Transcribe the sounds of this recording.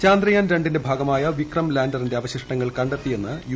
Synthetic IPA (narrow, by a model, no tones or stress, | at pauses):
t͡ɕaːnd̪rɐjaːnɾe̞ɳɖindebʱaːɡɐmaːjɐʋikrɐmlaːndɐrinde̞ɐʋɐɕiʂʈɐŋːɐɭkɐɳɖet̪ːije̞nːɨj